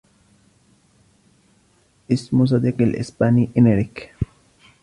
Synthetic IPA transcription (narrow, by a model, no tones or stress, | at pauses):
ʔɪsmʊs̬ˤɑd̪iːqalʔɪ̰spaːniʔɪneɾɪk